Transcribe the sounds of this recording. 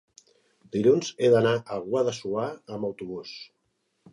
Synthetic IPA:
d̪iʎunzeðənaʔəɣwaðəsuaəməwt̪uβus

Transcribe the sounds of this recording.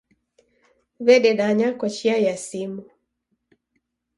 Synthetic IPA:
βɛɗɛɗaɲakɔt͡ʃiajasimu

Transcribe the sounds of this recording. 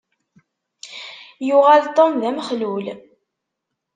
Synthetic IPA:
jʊʁalt̪ˤːomðæmχlul

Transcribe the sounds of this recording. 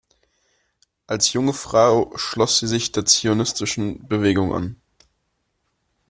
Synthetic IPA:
ʔalsjʊŋəfʁ̥aʊʃlɔsz̥iːzɪçd̥eːɐt͡sionɪstɪʃn̩bəveːɡʊŋʔa̰n

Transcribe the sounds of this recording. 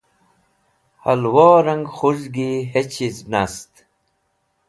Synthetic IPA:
hɐlwoːɾɐŋɡχuʑɡiɦet͡ɕʰiznast̪

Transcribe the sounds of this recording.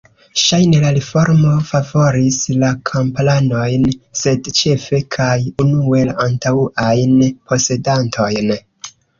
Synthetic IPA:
ʃajne̞laɾifo̞ɾmo̞favo̞ɾislakʰomplano̞jnse̞dt͡ʃe̞fe̞kʰajunue̞lantauʔajnpʰo̞se̞dantʰo̞jn

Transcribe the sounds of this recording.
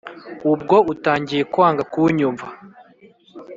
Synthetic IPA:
ub̚ɡo̞utaːɲɟije̞kwaːŋɡakuɲuɱva

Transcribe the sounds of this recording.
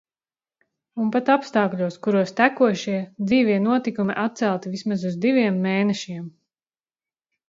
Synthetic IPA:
unpat̪apst̪aːklʲuɔskuɾuɔst̪ækuɔʃiɛd̪ziːvʲiɛnuɔt̪ikumiʔat̪̚sælˠt̪ivismazuzd̪iʋʲiɛmːeːnɛʃiɛm

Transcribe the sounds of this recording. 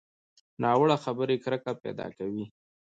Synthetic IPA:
nɑwəɽaxabəɾekɾəkapɛ̰d̪ɑ̰kawi

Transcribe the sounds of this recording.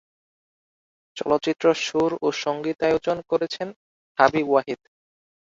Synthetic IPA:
t͡ɕɔlot̪ːɕit̪ːɾoʃuɾoʃoŋɡit̪aeod͡ʑonkoɾet͡ɕʰen | habibuwaɦid̪

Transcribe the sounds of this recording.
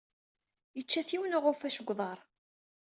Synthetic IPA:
jət͡ʃːæθiwənʊʁʊfæʃəɡʷːðˤɑɾˤ

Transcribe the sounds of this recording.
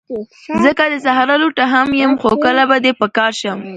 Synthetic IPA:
zəkad̪əsaɦaɾaloʈaɦamjəmxokəlabad̪epəkɑɾʃəm

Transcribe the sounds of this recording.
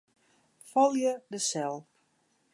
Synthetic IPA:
fɔlˠjədəsɛlˠp

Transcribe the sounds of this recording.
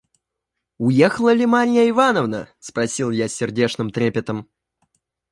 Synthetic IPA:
ʊjexəlˠəlʲɪmaɾʲɪjəɪvanəvnə̰spɾɐsʲilˠjasʲːɪrdʲe̞ʂnɨmt̪ɾʲepʲɪt̪əm

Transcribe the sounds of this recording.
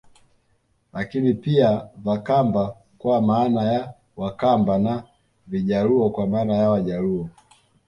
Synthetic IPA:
lʔakinipiavakamba | kwamaːnaja | wakambana | viʄaluɔkwamaːnajawaʄaluɔ

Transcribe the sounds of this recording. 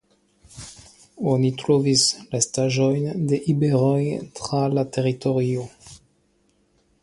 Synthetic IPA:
onitɾovislastaʒojndeʔibeɾojtʁalateʁitoɾio

